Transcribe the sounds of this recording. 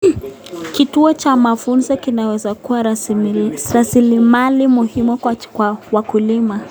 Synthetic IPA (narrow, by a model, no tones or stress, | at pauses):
kituɔt͡ʃamafunzɔkinawɛzakuwa | ɾasilimalimuhimukwakwawakulima